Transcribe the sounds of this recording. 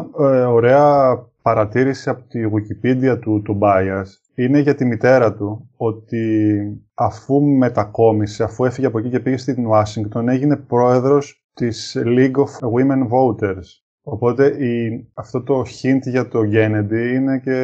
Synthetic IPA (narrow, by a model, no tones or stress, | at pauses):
o̞ɾe̞ɐpɐɾɐt̪iɾisiɐpo̥t̪iɣucipid̪iɐt̪ut̪obɐjɐs | ine̞ʝɐt̪imit̪e̞ɾɐt̪uo̞t̪i | ɐfume̞t̪ɐko̞mise̞ɐfue̞fiʝeɐpo̞cice̞piʝe̞st̪inɐsiŋɡt̪o̞ne̞ʝine̞pɾo̞e̞ðɾo̞s | t̪isliɡofwimenvo̞ut̪e̞ɾs | o̞po̞t̪e̞iɐft̪o̞t̪o̞çint̪ʝɐt̪o̞ɟe̞ne̞d̪iine̞ce̞